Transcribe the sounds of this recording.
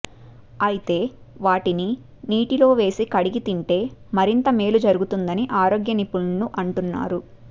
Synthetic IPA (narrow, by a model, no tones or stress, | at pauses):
ɐjit̪e̞ː | ʋaːʈini | niːʈilo̞ːʋe̞ːsikɐɽiɡit̪iɳʈe̞ːmɐɾint̪ɐme̞ːlud͡ʒɐɾuɡut̪und̪ɐniʔaːɾo̞ːɡjɐnipːuɭnuʔɐɳʈunːa̰ːɾu